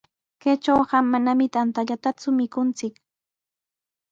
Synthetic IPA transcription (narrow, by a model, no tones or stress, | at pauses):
ket͡ʃawɢamːanamɪt̪ant̪aʎat̪at͡sʊmɪkʊnt͡sɪk